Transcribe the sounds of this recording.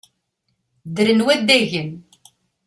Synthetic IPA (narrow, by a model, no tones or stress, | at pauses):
d̪ɾənwæd̪æʝən